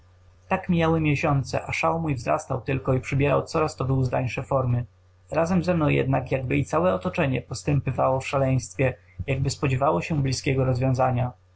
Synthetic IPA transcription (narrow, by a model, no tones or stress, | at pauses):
t̪akmʲjawɘmʲjeɕɔnt̪sɛ̰ʔaʂawmujvzɾa̰st̪awt̪ɘlkɔipʂɘbʲjɛɾa̰wt̪sɔɾast̪ɔvɘuzd̪a̰ɲʂɛfɔɾmɘ | ɾazɛmzɛmnɔ̃w̃jɛ̰d̪nakjaɡbɘit̪sawɛɔt̪ɔt͡ʂɛɲɛpɔst̪ɛmpɘvawɔfʂalɛj̃st̪fʲjɛ | jaɡ̚bɘspɔd͡ʑɛvawɔɕɛblʲiskʲɛɡɔɾɔzvʲjɔ̃w̃zaɲa